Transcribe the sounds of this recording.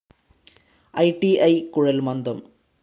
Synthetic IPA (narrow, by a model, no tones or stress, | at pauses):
ɐɪʈiɐɪkʊɻɐlmɐnd̪ɐm